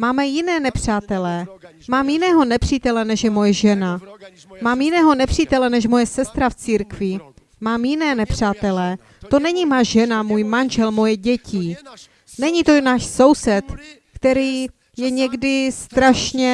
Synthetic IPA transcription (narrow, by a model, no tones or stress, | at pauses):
maːmɛjɪnɛːnɛpr̝̥aːt̪ɛlɛː | maːmjɪnɛːɦo̞nɛpr̝̥iːt̪ɛlɛnɛʃjɛmo̞jɛʒɛna | maːmjɪnɛːɦo̞nɛpr̝̥iːt̪ɛlɛnɛʃmo̞jɛsɛst̪ɾaft͡siːɾkvɪ | maːmjɪnɛːnɛpr̝̥aːt̪ɛlɛː | t̪o̞nɛɲimaːʒɛnamuːjmanʒɛlmo̞jɛɟɛcɪ | nɛɲit̪onaːʃso̞wsɛt̪ | kt̪ɛɾiː | jɛɲɛɡdɪst̪ɾaʃɲɛ